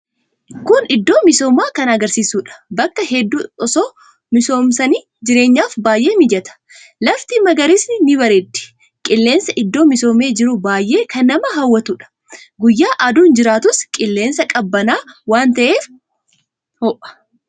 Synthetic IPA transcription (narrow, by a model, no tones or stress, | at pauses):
kʊnɪd̪ːo̞ːmɪso̞ːmaːkɐnɐɡɐɾsiːsuːᶑɐ̥bɐkːɐɦɛd̪ːuːɔsoː | mɪso̞ːmsɐniː | d͡ʒɪɾe̞ːɲːaːfbaːjʔe̞ːmɪd͡ʒɛt̪ɐ̥ | lɐft̪imɐɡɐɾɪsnɪnɪbɐɾed̪ɪ̥ | kʼɪlːeːnsɐʔɪd̪ːo̞ːmɪso̞ːme̞ːd͡ʒɪɾʊbaːjʔe̞ːkʰɐnːɐmɐɦɐwːɐt̪uᶑɐ̥ | ɡʊjːaːʔɐd̪uːnd͡ʒɪɾaːt̪ʊskʼɪlːe̞ːnsɐkʼɐbːɐnaːwaːnt̪ɐʔe̞ːf | hɔʔɐ̥